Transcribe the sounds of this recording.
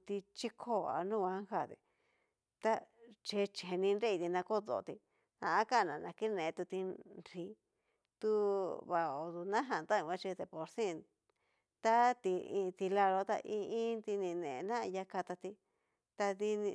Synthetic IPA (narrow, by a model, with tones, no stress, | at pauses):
t̪i˧t͡ʃi˦kʰo˦a̰˧nũ˦˧ã˧˦ha˧˨t̪ḭ˧ | t̪a˦t͡ʃe˧t͡ʃe˧˨˧nĩ˧nɾe˦i˧t̪i˧nã˧ko˦ðo̰˧˨˧t̪i˧ | ã̰˧a˦ka˦˧nã˨nã˧ki˦˧nẽ˨˧t̪u˧t̪i˧ɾi˧˦ | t̪u˧βa˧o˨d̪u˧nã˦ɦã˧˨nt̪a˦ĩ˧ã˧t͡ʃe˧d̪e˨po˨ɾsĩ˦˨ | t̪a˦t̪i˧ĩ˧t̪i˧la˧lo˧t̪a̰˧ʔĩ˧ĩ˦nt̪i˧nĩ˧nḛ̃˨˧nã˦˧ja˧ka˧t̪a˧t̪i˧ | t̪a˧ði˧nĩ˧